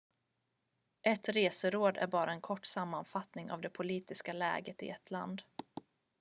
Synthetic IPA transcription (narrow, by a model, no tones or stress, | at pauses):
ʔɛt̪ɾeːsəɾoːd̪æ̰ɾbɑːɾaɛnkʰɔʈːsamːanfat̪nɪŋa̰vd̪ɛpʰʊliːt̪ɪskalɛ̰ːɡət̪ɪ̰ɛt̪ʰla̰nd̪